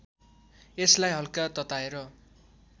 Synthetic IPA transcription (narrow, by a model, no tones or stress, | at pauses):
eslajɦʌlkat̪ʌt̪aeɾʌ